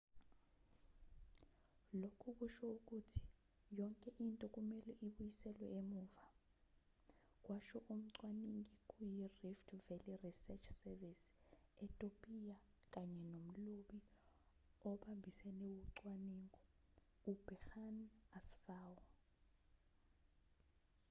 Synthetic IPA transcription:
lokʰuk̬uʃɔuk̬ʼutʰi̥ | jɔŋkʼɛʔintʼɔkʼumɛlɛʔiɓujisɛlwɛemuːva | k̬ʼwaʃɔʔum̩ǀwaniŋik̬ʼujiriftʰvɛlirisɛt͡ʃʰsɛvɛsi̥ɛtʼopʼija | k̬ʼaɲɛnom̩loɓi | ɔɓambʱisɛnɛwuǀwaniːŋɔ | ub̥ɛxanasfaːwɔ

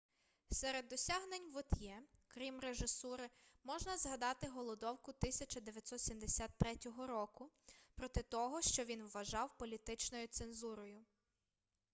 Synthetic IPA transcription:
sɛɾed̪ːɔsʲaɦnenʲʋɔt̪ʲjɛkɾʲimreʒɪsuɾɪmɔʒnɐzɦɐd̪ɑt̪ɪɦɔlˠɔd̪ɔwkʊt̪ɪsʲɐt͡ʃɐd̪eʋʲjɐt̪sɔt̪sʲimd̪esʲat̪t̪ːɾɛtʲɔɦɔɾɔkʊ | pɾɔt̪ɪt̪ɔɦɔʃt͡ʃɔʋʲinwːɐʒɑwpɔlʲit̪ɪt͡ʃnɔjʊt̪senzuɾɔjʊ

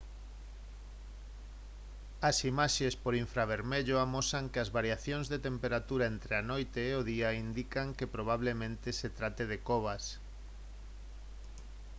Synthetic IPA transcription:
ɐsimaʃespoɾiɱfɾaβ̞eɾmeʎoamosaŋkeazβaɾjaθjõŋzðet̪empeɾat̪uɾaent̪ɾeanojt̪eːoðiaind̪ikaŋkepɾoβ̞aβ̞lemẽnt̪eset̪ɾat̪eðekoβ̞as

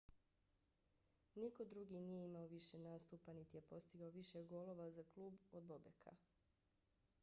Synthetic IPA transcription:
niko̞d̪ɾuɡinije̞imaoʋiʃe̞naːst̪uːpanit̪ijepo̞st̪iɡaoʋiʃeɡo̞lˠo̞ʋazaklˠuːbod̪̚bo̞bekʰa̰

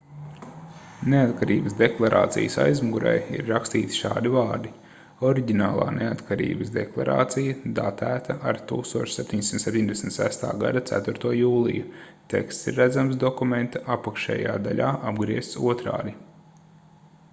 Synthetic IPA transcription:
neat̪kaɾiːbəsd̪eklˠaɾʔa̰ːt̪sḭjəsa̰jzmuɡuɾa̰jḭɾːakst̪iːt̪i̥ʃa̰ːd̪ivaːɾd̪i | ɔɾiɟinaːlˠa̰ːneat̪kaɾḭːbəsd̪eklˠa̰ɾa̰ːt̪sijɐd̪at̪æːt̪aʔaɾt̪uːkst̪uɔt͡ʃsep̚t̪ʲiɲʲsimnt̪sep̚t̪iɲʲd̪ʲesm̩t̪sæst̪a̰ːɡa̰d̪at̪sæ̰t̪uɾt̪uɔjuːlˠḭju | t̪ɛ̰kst̪siɾːæd̪zamsd̪ɔkumẽnt̪aʔapakʃɛ̰ːjaːd̪aʎʲaːʔabɡɾiɛst̪suɔt̪ɾa̰ːd̪i

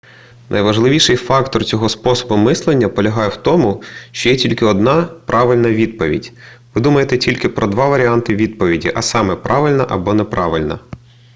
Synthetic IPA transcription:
nʔɐ̰jʋɐʒlˠɪʋʲiʃɪjfɑkt̪ɔrt͡sʲɔɦɔspɔsɔ̥bʊmɪslˠenʲːɐpɔlʲɐɦɑjɛwt̪ɔmʊʃt͡ʃɔjɛtʲilʲkɪɔd̪nɑpɾʔɑʋɪlʲnɐʋʲid̪̚pɔʋʲḭdʲʋɪd̪umɐjet̪ɛtʲilʲkɪpɾʔɔd̪ʋɑʋɐɾʲiant̪ɪʋʲid̪̚pɔʋʲidʲḭʔɐsɑmɛpɾʔɑʋɪlʲnɐʔɐbɔnɛpɾʔɑ̰ʋɪlʲnɐ̰

